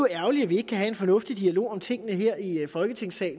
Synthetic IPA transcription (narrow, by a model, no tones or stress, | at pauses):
æɐʊliæʋie̝ɡ̥əkʰæɦæe̝nfɒ̽nɔ̽fd̥id̥iælo̝̰ːɒ̽mt͡sʰe̝ŋ̰ənəɦeɐ̰ifɒ̽lɡ̥ət͡sʰe̝ŋ̰sɛ̰ː